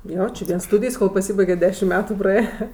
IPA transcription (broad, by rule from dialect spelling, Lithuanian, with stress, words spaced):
ˈjoː t͡ʃʲɪ ˈʋʲiɛnˈstuːdʲɪjs koːlˠ pɐˈsʲiːbɐɪɡʲɛtʲ ˈdʲæːʃʲɪm ˈmʲæːtʊ prɐˈeːjɛ